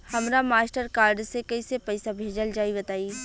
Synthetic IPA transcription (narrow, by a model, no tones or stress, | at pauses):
hɐmɾamaːsʈəɾkaːɾɖsekɐisepɐɪsabʱeːd͡ʒəld͡ʒaːibɐt̪aːiː